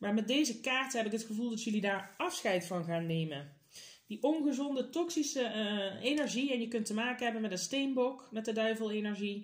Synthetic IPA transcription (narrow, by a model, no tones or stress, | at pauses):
maːɹmɛt̚dejzəkaːɹtəɦɛpɪkɦətχəvulˠdɑtjɵlidaːɹɑfsxɛjtfɑnɣaːnːejmən | diʔɔnɣəzɔndətɔksisəenɛɹʒiɛnjəkɵntəmaːkənɦɛbənmɛtənstejmbɔkmɛt̚dədœɥvəlˠenɛɹʒi